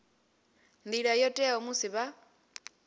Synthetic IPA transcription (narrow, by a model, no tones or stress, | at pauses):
nd̪iɺajɔtʼɛomusiβa